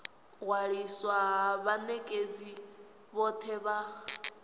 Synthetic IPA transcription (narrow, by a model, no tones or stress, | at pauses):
ɣwaɺiswaβanɛkʼed͡zi | βɔt̪ʰɛβa